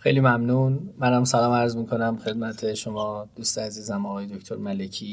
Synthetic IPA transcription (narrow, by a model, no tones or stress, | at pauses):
xe̞jliːmæmnuːnmænæmsælɒːmæɾzmiːkʰo̞næmxe̞d̪̚mæt̪ʰe̞ʃomɒːd̪̥uːst̪eæziːzæmɒɣɒːje̞d̪oct̪ʰoɾmælecʰiː